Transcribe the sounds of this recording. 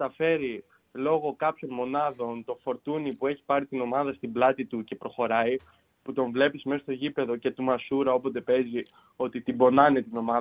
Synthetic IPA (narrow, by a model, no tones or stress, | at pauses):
t̪ɐfe̞ɾi | lo̞ɣo̞kɐpço̞nmo̞nɐðo̞nt̪o̞fo̞ɾt̪unipue̞çi̥pɐɾit̪ino̞mɐðɐst̪iblɐt̪it̪uce̞pɾo̞xo̞ɾɐi | put̪o̞ɱvle̞pisme̞sost̪o̞ʝipe̞ðo̞ce̞t̪umɐsuɾɐo̞pot̪e̞pe̞zi | o̞t̪it̪ibo̞nɐnet̪ino̞mɐ